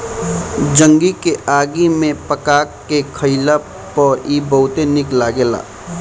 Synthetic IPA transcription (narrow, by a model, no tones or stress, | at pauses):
d͡ʒə̃ŋɡikeʔaːɡimẽpəkaːkːekʰəila | pɔːʔibəɦʊt̪enɪklaɡela̰ː